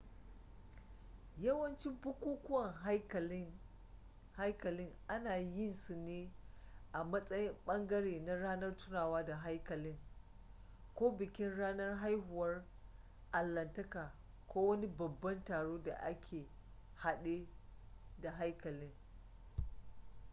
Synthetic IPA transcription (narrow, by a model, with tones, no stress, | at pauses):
jɐ˦wɐ˦nt͡ʃɪ˦mbʊ˦kʷuː˦kʷʊ˦wɐ˨ŋɦk | ha˦jkɐ˨lɪ˦ŋʔa˦naː˨jɪ˦˨nsu˨neː˦ʔa˨mɐ˦sʼɐ˦jɪ˦mɓɐ˦ŋɡɐ˦ɽeː˨na˦ɽaː˦nɐ˦rtʊ˦naː˨waː˦da˨ɦa˦jkɐ˨lɪ˦ŋ | kʷoː˦bɪ˨kʲɪ˦nɽaː˦nɐ˦rɦa˦jɦʊ˨wɐ˦r | ʔa˨lːɐ˨ntɐ˦kaː˨ | kʷoː˦wɐ˦ni˦bɐ˨bːɐ˦ntaː˨ɽoː˦da̰˨ʔa˦kʲʰeː˨ | ha˦ɗe˦ | da˨ɦa˦jkɐ˨lɪ˦ŋ